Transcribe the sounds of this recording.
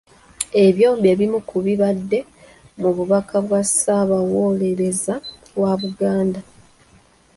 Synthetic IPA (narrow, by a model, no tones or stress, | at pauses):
e̞βjo̞ːmbjeβimukuβiβadːe̞ | muβuβakʰaβwasaβawo̞ːle̞ɾe̞za | βwaβuɡaːnda